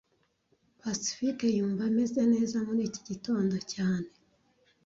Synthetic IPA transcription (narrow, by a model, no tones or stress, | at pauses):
pasi̥fikejuːɱvaime̞zene̞ːzamuniːci̥ɟito̞ːndocaːne̞